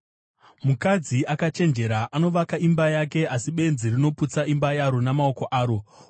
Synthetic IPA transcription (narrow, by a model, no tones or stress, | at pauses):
mukad͡ziakat͡ʃe̞nd͡ʒe̞ɾaʔano̞ʋakaimbajake̞asiɓe̞nzirino̞put͡saimbajaɾo̞namao̞ko̞ʔaːɾo̞